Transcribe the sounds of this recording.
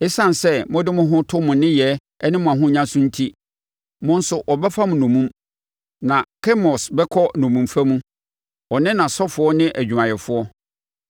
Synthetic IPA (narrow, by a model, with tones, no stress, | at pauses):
ɛ˦sã˦n˨sɛ˦mʊ̃˦dɪ˦mʊ̃˦ɦʊ̃˦tʰʊ˦mʊ̃˨nɪ̃˦jɛ˨˦ | ɛ˦nɪ̃˦mʊ̃˨a˨ɦʊ̃˦ɲã˦sʊ̃˦n̩˦tʰi˦ | mʊ̃˦n̩˦sʊ˨ʔɔ˨bɛ˦fa˦mʊ̃˨nõ˨mũ˦m | nã˨kʰɛ˦mɔ˨sbɛ˦kʰɔ˦nɔ̃˨mũ˨mfæ˦mũ˦ | ɔ˨nɪ̃˦nã˨sɔ˦fʊ˦ɔ˦nɪ̃˦ʔæ˨d͡ʑᶣu˨mã˨jɛ˨fʊ˦ɔ˦